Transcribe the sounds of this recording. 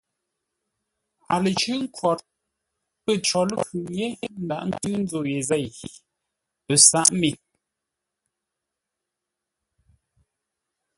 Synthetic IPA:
a˨lə˨t͡ʃʉ˦ŋ̩˦kwɔ˨t̚ | pə˦˨t͡ʃɔ˨lə˦kʉ˨ɲe˨˦n̩˦da˨ʔn̩˦tɨ˦n̩˦zo˨je˨zɛ˦˨j | pə˨sa˦˨ʔmi˨

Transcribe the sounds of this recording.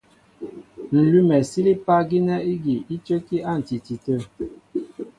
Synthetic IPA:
n̩˨lu˦mɛ˨si˦li˦pa˦ɡi˦nɛ˦i˦ɡi˨i˦tə˦ki˦ʔa˦˨n̩˨ti˨ti˨tə˦˨

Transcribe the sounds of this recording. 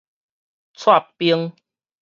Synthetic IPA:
t͡sʰwa˥˨pi˧˦əŋ

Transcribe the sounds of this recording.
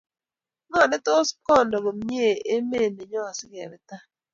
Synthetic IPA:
ŋɔ˦˨nɛ˦t̪o˦skɔ˦˨ndɔ˨ɡo˨mɲ˦e˦˨e˦me˦˨ne˨ɲɔ˦a˨sɪ˦kɛ˨ɾɛ˦t̪a˦

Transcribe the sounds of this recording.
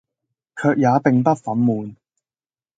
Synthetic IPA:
kʰœː˧k̚jaː˨˧pɪ˨ŋpɐ˥t̚fɐ˨˥nmuː˨˧n

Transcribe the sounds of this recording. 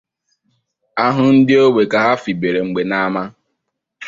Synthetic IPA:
a˦ɦʊ˦n̩˦dɪ˦o˦we˨ka˨ɦa˦fi˨be˨ɾe˨ŋ͡m̩˨ɡ͡be˨na˦ma˦

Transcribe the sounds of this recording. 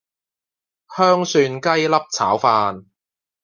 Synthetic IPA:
hœː˥ŋsyː˧nkɐ˥jlɐ˥p̚t͡sʰa̰ː˨˥wfaː˧n

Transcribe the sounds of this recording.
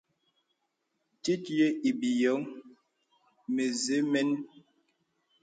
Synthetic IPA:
ti˦tje˦i˨bi˨jɔ˨˦ŋ | me˨ze˨˦mɛ˦n

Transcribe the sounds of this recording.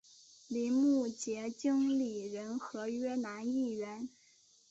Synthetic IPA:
li˧˥˦mu˥˩t͡ɕjɛ˧˥t͡ɕi˥ŋli˨˩ɻə˧˥nxɤ˧˥ɥɛ˥na˧˥ni˥˩ɥɛ˧˥n

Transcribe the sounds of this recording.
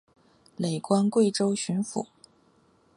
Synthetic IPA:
le˨˩ɪkwa˥nkwe˥˩ɪʈ͡ʂo˥ʊɕy˧˥nfṵ˨˩˦

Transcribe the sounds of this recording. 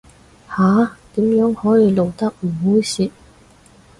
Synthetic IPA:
haː˨˥t̪iː˨˥mjœː˨˥ŋhɔː˨˥jiː˨˧lo˨wt̪ɐ˥k̚m̩˨˩ɦuː˨˥jsiː˨˧t̚

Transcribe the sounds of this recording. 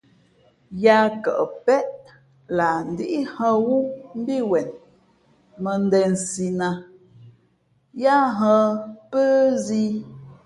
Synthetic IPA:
ja˦kə̰˨ʔə˨pɛ˦ʔ | la˨n̩˨di˦ʔi˦hə̃˦wu˦m̩˦bi˦wɛ˨n | mə˨n˦dɛ˨n̩˨si˨na˨ | ja˦ɦə̃˦pə˦zi˦

